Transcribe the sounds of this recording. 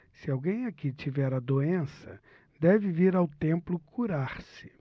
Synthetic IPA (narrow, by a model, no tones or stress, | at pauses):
sɪawɡẽj̃akit͡ʃivɛɾɐd̪oẽsɐ̰ | d̪ɛvɪviɾawt̪ẽmplʊkʰuɾaɾsɪ̥